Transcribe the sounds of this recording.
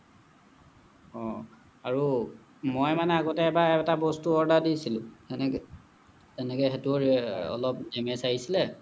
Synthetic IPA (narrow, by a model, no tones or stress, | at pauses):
ɔ | aɹu | mojmanɛaɡɔtɛːbaɛtabɔstuɔɹdadisilʊ̃n | zɛnɛkɛxetuɹɔ̰lɔp̚ɛmɛsaɦisilɛ